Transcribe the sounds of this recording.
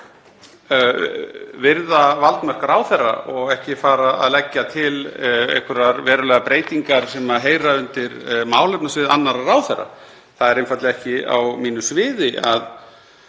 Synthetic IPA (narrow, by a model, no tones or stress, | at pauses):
vɪɾðavalt̪mar̥kaɾawθɛrːa̰ɔɣɛhcɪfaːɾaa̰ðlɛcːat̪ʰɪlḛhkʰʏɾaɾvɛːɾʏlɛːɣapɾeːjt̪iŋkaɾ̥sɛmaðɦeːjɾaʏnt̪ɪɾmaːwlœpnasvɪːðanːaɾaɾaːwθɛrːa̰ | θaðɛɾenfat̪lɪɛhcɪa̰wmiːnʏsvɪːðɪʔað